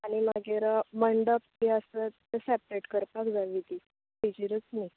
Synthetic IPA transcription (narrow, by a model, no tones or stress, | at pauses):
aɽ̃imaɡeɾəməɳɖəp̚t̪iəsə | əsɛpɾeʈkəɾpakd͡zaʋid̪i | kəjd͡ʑiɾət͡snaj